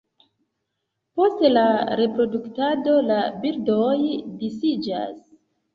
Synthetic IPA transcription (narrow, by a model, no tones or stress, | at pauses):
po̞stlaɾe̞pɾo̞duktado̞labiɾdojdisid͡ʒa̰s